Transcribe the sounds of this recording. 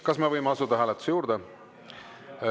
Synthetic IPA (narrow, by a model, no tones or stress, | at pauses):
kɑsmevɤjmeɑsud̪ɑɦæːlet̪ːˑu̥sejuːɾd̪e